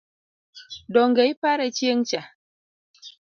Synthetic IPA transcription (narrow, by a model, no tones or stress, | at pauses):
dɔŋɡejpaɾet͡ʃijeŋt͡ʃa